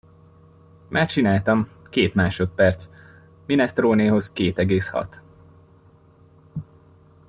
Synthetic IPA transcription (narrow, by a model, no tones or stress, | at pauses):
mʔaːrt͡ʃinaːlt̪ɒmkeːt̪maːʃo̞t̪̚pɛrt̪s | minɛst̪roːneːɦo̞zkeːt̪ɛɡeːshɒ̰t̪